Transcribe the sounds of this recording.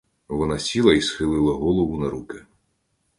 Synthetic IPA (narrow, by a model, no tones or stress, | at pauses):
ʋɔnɑsʲilˠɐisxɪlˠɪlˠɐɦɔlˠɔʋʊnɐɾukɪ